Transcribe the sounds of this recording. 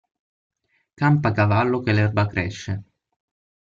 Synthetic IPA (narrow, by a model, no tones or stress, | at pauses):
kampakavalːokelɛrbakɾɛʃːe